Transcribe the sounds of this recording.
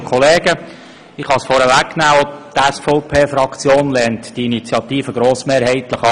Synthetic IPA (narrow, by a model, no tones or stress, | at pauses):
kʰɔleːɡə | ɪχhɑsfɔɾəʋækːnæːɔt̪ɛsfɔʊpʰeːfɾɑkt͡sjoːnlɛːntd̥iinit͡sjɑt̪iːfəɡɾoːsmeːɾhɛɪt̪ləχɑ